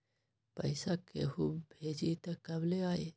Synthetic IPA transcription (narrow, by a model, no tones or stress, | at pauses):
pɐ̰ɪsakḛhuːbbʱeːd͡ʒit̪ɐkːɐbleaːe